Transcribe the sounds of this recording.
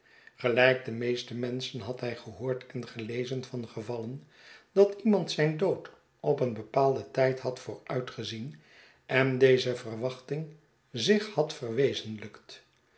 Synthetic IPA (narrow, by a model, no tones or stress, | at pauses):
χəlɛjk̚dəmejstəmɛnsənɦɑtɦɛjχəɦʊːɹtʰɛnχəlejzənfɑnχəvɑlən | d̥ɑtimɑntsɛjndowt | ɔpənbəpaːlˠdətɛjthɑtfʊːrœɥtχəzin | ʔɛndejzəvərʋɑχtɪŋ | zɪχhɑtfərʋejzənləkt